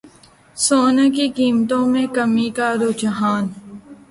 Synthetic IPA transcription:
soːnakikiːmt̪õmẽkəmikaɾoːt͡ʃɦaːn

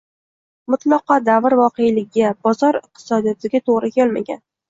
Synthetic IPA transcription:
mʊt̪lˠɒqɑd̪avɾvɒqejlɪɡʲabɒzɒɾɪq̚t̪ʰɪ̥sɒd̪ijɒt̪ʰɪɡʲat̪ʰoʁɾɪkʲʰelma̰ɡʲa̰n

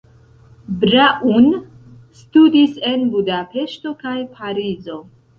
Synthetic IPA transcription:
bɾaʔun | studise̞nbudape̞ʃto̞kajpʰaɾizo̞

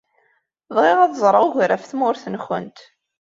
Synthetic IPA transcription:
ðˤʁɪʁæðzˤɾˤəʝɾæfθmʊɾθənxə̰nt̪

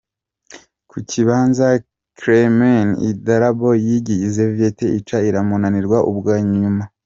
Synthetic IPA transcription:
kʰucʰiβaːnza | kɾemenḭdaɾabojiɟijizevieteʔit͡ʃaiɾamonaniɾɡwaʔubɡaːɲuma

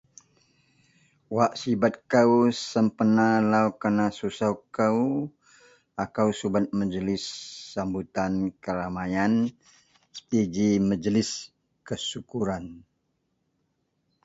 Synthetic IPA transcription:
waʔsibat̪̚kawsəmpənalawkənasusawkaw | akawsubat̪̚məd͡ʒəlɪsːambut̪ankəɾamajan | sə̥p̪id͡ʒiməd͡ʒəlɪs | kəsukuɾan

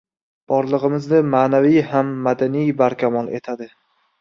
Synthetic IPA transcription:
b̥ɒɾlˠɨʁɨmɪznɪmaːnavijhamːad̪anijbaɾkʲʰamɒlˠe̞̰t̪ʰad̪ɪ

